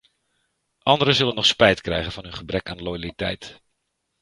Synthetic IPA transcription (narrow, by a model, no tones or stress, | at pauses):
ʔɑndəɾəzɵlənːɔχspɛjtkrɛjɣənvɑnɦɵnχəbrɛkaːnlojalitɛjt